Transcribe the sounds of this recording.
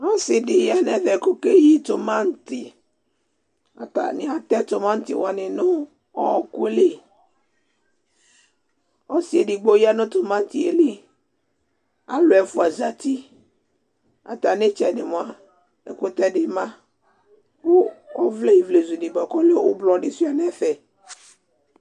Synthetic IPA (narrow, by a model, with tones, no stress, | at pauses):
nɔ˦sɪ˨dɪ˨ja˦nɛ˨ðɛ˨kʊ˦ke˦ji˦t̪ʊ˨mã˦n̩˦tɪ˨ | a̰˨ta̰˨nɪ̃˨a˨t̪ɛ˦t̪ʊ˨mã˦n̩˦tɪ̰˦˨wa˨nɪ̃˨nʊ̃˦ | ɔ˦˨kʊ˦lɪ˦ | ɔ˦si˨e˨dɪ˨ɡ͡bo˦ja˦nʊ̃˦t̪ʊ˨mã˦n˦tɪ˨e˨lɪ˦ | a˨lo˨ɛ˨fʊ˦a˨za˦t̪i˦ | a̰˨t̪a˨ne˦t͡ʃɛ˨nɪ˨mõ˨a˨ | e˨ko˦t̪ɛ˦ɖɪ˦mã˦ | pʊ˦ɔ˦vle˦i˨vle˨zu˨nĩ˨bɔ˨kɔ˦le˦wʊ˦blɔ˨nɪ˨si˦a˦nɛ˦fɛ˨